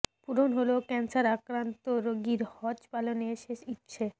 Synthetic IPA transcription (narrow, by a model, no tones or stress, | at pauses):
puɾonɦolokɛnsaɾakɾant̪oɾoɡiɾhɔd͡ʑpaloneʃeʃitːɕʰe